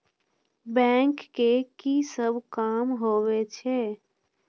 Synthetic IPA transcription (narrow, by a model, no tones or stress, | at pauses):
bɛ̃ːŋkːekisəbkaːmɦoːwet͡ʃʰeː